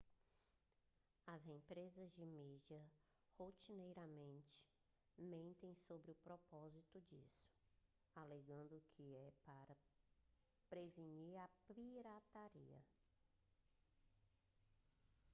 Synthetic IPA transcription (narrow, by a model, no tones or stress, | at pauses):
ɐzẽpɾezɐzd͡ʒɪmid͡ʒɐ | hot͡ʃinejɾɐmẽnt͡ʃɪ̥ | mẽnt̪ẽj̃sobɾɪʊpɾɔpɔzit̪ʊd͡ʒisʊ̥ | aleɡɐ̃nd̪ʊkʰɪɛpaɾɐ | pɾeviɲiɾɐpiɾat̪aɾḭɐ̰